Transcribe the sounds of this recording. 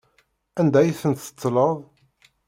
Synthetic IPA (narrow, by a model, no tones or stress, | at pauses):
ænd̪æjiθənt̪ə̥t͡s̪ːləðˤ